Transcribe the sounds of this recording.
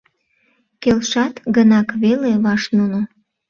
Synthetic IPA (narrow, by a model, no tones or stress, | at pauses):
kelʃɑt̪ɡənɑkβeleβɑʃnuno